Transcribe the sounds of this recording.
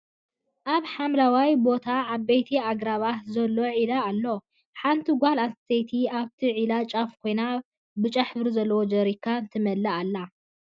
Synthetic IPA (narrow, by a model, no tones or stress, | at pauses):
ʔaβħamlawajbo̞t̪ʰaaβbejt̪ʰiaɡɾaβahzɐlːo̞ʕilaːlːo | ħant̪ʰiɡʷalast̪ʰejt̪ʰiaβt̪ʰiʕilat͡ʃʼafkʰo̞jna | bɨt͡ʃʼɐħfɨɾzɐlːɐwod͡ʒɐɾikʰːant̪ʰɨmɐlːɐalːa